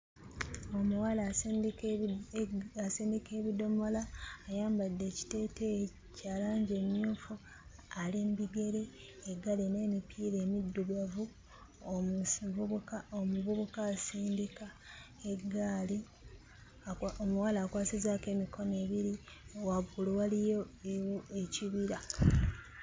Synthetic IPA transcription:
omuwal | asiːndike̞ːβido̞mo̞laːjaːmbadːe̞ːci̥te̞ːte | caːlaːɲɟe̞ːmjuːfu | alembiɡe̞ɾe̞ː | ɡːalene̞ːmipʰiːɾe̞ːmidːuβavu | uuaomuvuβukaːsiːndikae̞ɡaːli | omuwalaːkwaːsizaːke̞ːmikʰo̞ne̞ːβiɾiowaɡuluwalijowoeciβiɾa

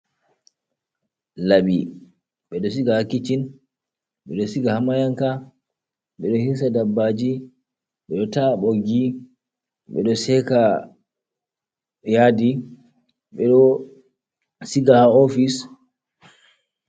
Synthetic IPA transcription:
laɓi | ɓɛɗɔsiɡahakːit͡ʃin | ɓɛɗɔsiɡahamajaŋka | ɓɛɗɔhis̬adabːad͡ʒi | ɓɛɗɔtaɓoɡi | ɓɛ̰ɗɔsɛka | jadi | ɓɛɗɔ | siɡahaofis

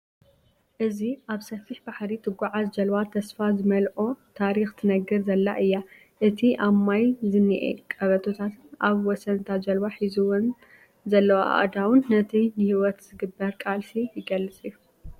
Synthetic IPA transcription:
ʔɨziʔaβsɐfiħbaħɾit̪ʰɨɡʷaʕazd͡ʒɐlwat̪ʰɐsfazɨmɐlʔo̞t̪ʰaɾixt̪ʰɨnɐɡɨɾzɐlːa̰ʔɨjːa | ʔɨt̪ʰiʔamajzɨnːiʔḛkʼɐβɐt̪ʰot̪ʰat̪ʰɨnaβwɔsɐnt̪ʰad͡ʒɐlwaħizuwʊn | zɐlːɐwaʔa̰d̪awʊnːɐt̪ʰinɨhiwɔt̪zɨɡɨbːɐɾkʼalsijɪɡɐlːɨt͡sʼɨjːu

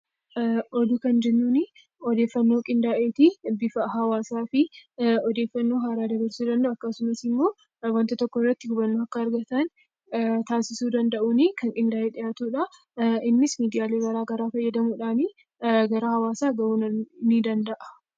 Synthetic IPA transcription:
ʔɔd̪ukɐnd͡ʒɛnːunɪ | ɔd̪e̞ːfːɐnːoːkʼɪnd̪aːʔeːt̪ibɪfɐɦɐwaːsaːfɪɔd̪e̞ːfːɐnːoːɦaːɾaːd̪ɐbɐɾsuːd̪ɐnd̪ɐʔʊːɐkːɐsʊmɐsɪmːo̞ː | wɐnt̪ɐt̪ɔkːɔɪrːɐt̪ːɪɡʊbɐnːoɐkːɐːɾɡɐt̪ɐn | t̪aːsɪsuːd̪ɐnd̪ɐʔunɪkɐŋkʼɪnd̪aːʔeːᶑɪjaːt̪uːᶑɐ | ɪnːɪsmiːd̪ɪjaːle̞ːɡɐɾaːɡɐɾaːfɐjːɐd̪ɐmuːᶑaːnɪ | ɡɐɾɐhɐwaːsaːɡɐunɐnid̪ɐnd̪ɐʔɐ̥

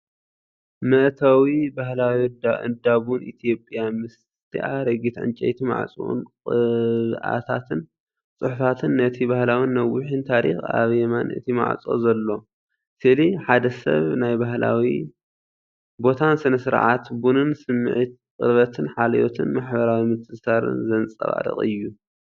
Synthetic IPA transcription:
mɨʔt̪ʰawibahlawiɨ̰d̪aβunʔit̪ʰijo̞pʼjamɨs | t̪ʰḭʔaɾɐɡit̪ʕɨ̰nt͡ʃʼɐ̰jt̪ʰima̰ʕt͡sʼṵʔṵnkʼɨβʔa̰t̪ʰa̰t̪ɨn | t͡sʼɨħufat̪ʰɨnːɐt̪ʰibahlawinːɐwʊħint̪ʰaɾḭxa̰βɛmanɨ̰ʔt̪ʰima̰ʕ̰t͡sʼo̰zɐlːo̞ | sɨliħad̪ɐsɐ̰βnajbaɦla̰wi | bo̞t̪ʰansɨnɐsɨɾʕa̰t̪bunɨnsɨmːʕit̪̚kʼɨ̰ɾβɐt̪ʰɨnħalɐjot̪ʰɨnmaħbɐɾawimɨt̪ʰɨsaɾɨ̰nzɐnt͡sʼɐ̰βa̰ɾɨ̰χʼɨ̰jːu

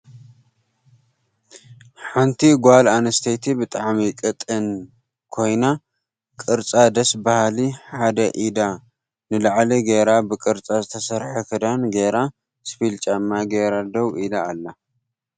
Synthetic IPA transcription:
ħant̪ʰiɡalanɐst̪ʰet̪ʰibɨt̪ʼaʕmikʼɨt̪ʼːɨn | kʰo̞jna | kʼɨɾt͡sʼad̪ɐsbahaliħad̪ɐʔid̪a | nɨlaʕliɡeɾabɨkʼɨɾt͡sʼazɨt̪ʰɐsɐɾħɐkʰɨd̪anɡeɾa | spilt͡ʃʼamːaɡeɾad̪ɐwilaːlːa

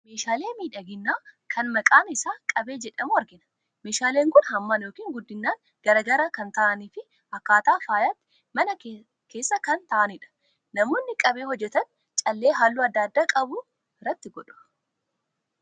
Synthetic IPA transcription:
me̞ːʃaːle̞ːmiːᶑɐɡɪnːaːkʰɐnmɐkʼaːnɪsaːkʼɐbe̞ːd͡ʒɛᶑɐmuːɐɾɡɪnɐ̥ | meːʃaːleːŋkʊnhɐmːaːnjoːkiːŋɡʊd̪ːɪnːaːŋ | ɡ̥ɐɾɐɡɐɾɐkɐnt̪ɐʔɐniːfɪ | ɐkːaːt̪aːfaːjaːt̪ːɪ̥ | mɐnɐ | keːsːɐkɐnt̪ɐʔɐnɪᶑɐ̥ | nɐmoːnːɪkʼɐbeːhɔd͡ʒːɛt̪ɐn | t͡ʃʼɐlːe̞ːɦaːlːuːɐd̪ːaːd̪ːaːkʼɐbʊ | ɪrːɐt̪ːɪɡɔᶑʊ̥

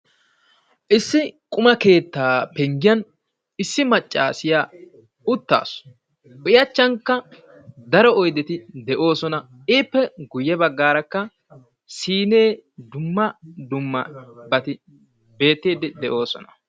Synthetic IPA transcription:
ʔɪsːɪkʼʊmɐke̞ːt̪ːaːpɛŋɡɪjɐn | ɪsːɪmɐt͡ʃʼːa̰ːsɪjaː | ʊt̪ːa̰ːs | ʔʊjɐt͡ʃːɐŋkːɐ | d̪ɐɾɔɔjd̪ɛt̪ɪd̪ɛʔo̞ːsɔnɐ | ɪːpːɛɡʊjːɛbɐɡːaːɾɐkːɐ | siːneːd̪ʊmːɐd̪ʊmːɐbɐt̪ɪ | be̞ːt̪ːiːd̪ɪd̪ɛʔo̞ːsɔ̰nɐ̥

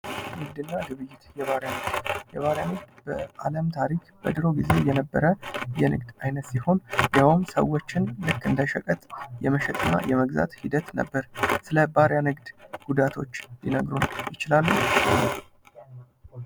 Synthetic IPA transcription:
nɨɡd̪ɨnːad̪ɨβɨjːɪt̪jɛβaɾjanɨɡd̪jɛβaɾjanɨɡ̚d̪bəa̰ləmt̪ʰaɾikʰb̥ə̰d̪ɨɾo̞ɡize̞jɛnəbːəɾəjɛnɨ̰ɡd̪ajnət̪siho̞njawɨmsə̰wːo̞t͡ʃːɪnlɨkːɨnd̪əʃəkʼət̪ʼjɛməʃɛt̪ʼənːa̰jɛməɡza̰t̪hid̪ət̪nə̰bːəɾsɨləbaɾjanɨɡd̪ɡ̥ud̪at̪ʰo̞t͡ʃːlinəɡɾunjɪt͡ʃɪlalːu

